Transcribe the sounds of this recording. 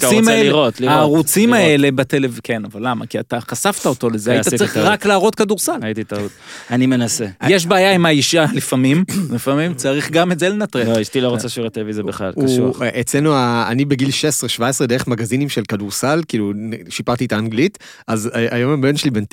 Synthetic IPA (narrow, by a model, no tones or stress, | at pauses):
imaelʁot̪liaːʁut͡simae̞le̞batelevkʰe̞navalːama̰kiataχasaft̪aoto̞lezeajjt̪at͡sɐʁiχʁaklaːʁo̞tkaduʁsalaititaut̪animenasejeʃ̬baaːjaimaiʃialifamimlifamimt͡saʁiχɡametzele̞nat̪ʁeoiʃtiloʁot͡saʃiʁet̪elevizabeχla̰luuʔet͡slenuaːnibeɡilʃesʁeʃvaesʁedeʁemaɡazinimʃelkaduʁsalkiːluʃipaʁt̪ietaːnɡlit | ʔazʔajomabenʃeliben